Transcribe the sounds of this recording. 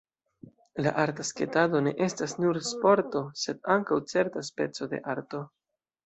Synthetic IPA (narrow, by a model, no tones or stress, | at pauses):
la̰ʔaɾtaske̞tado̞ne̞̰ʔe̞stasnuɾspo̞ɾto̞se̞daŋkawt͡se̞ɾtaspe̞t͡so̞de̞̰ʔaɾto̞